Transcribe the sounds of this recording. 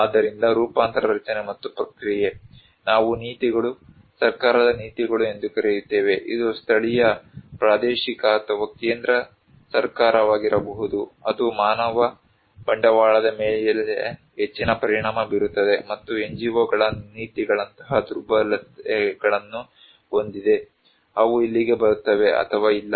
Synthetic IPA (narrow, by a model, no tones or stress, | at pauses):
aːd̪ːɐɾind̪ɐɾuːpaːnt̪ɐɾɐɐɾɐt͡ʃɐnemɐt̪ːupɾɐkɾije | naːʋuniːt̪iɡɐɭu | sɐɾkaːɾɐd̪ɐniːt̪iɡɐɭue̞nd̪ukɐɾejut̪ːeːʋe̞ʔḭd̪ust̪ʰɐɭijɐpɾaːd̪eːʃikɐt̪ʰɐʋɐkeːnd̪ɾɐ | sɐɾkaːɾɐʋaːɡiɾɐbɐɦud̪uɐd̪umaːnɐʋɐ | b̥ɐɳɖɐʋaːɭɐd̪ɐmeːɭlḛ | ɦet͡ʃːinɐpɐɾiɳaːmɐbiɾut̪ːɐd̪e̞mɐt̪ːueɲd͡ʒiʋoːɡɐɭɐniːt̪iɡɐɭɐnt̪ɐ̥ɦɐd̪uɾbɐlɐt̪ɛɡɐɭɐnːu | ond̪id̪e̞ | ɐʋuilːiɡe̞bɐɾut̪ːɐʋe̞ʔɐ̰t̪ʰɐʋaːilːɐ